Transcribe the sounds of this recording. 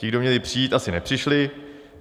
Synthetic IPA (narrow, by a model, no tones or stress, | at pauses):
cɪɡdo̞mɲɛlɪpr̝̥ijiːt̪ʔasɪnɛpr̥ɪʃlɪ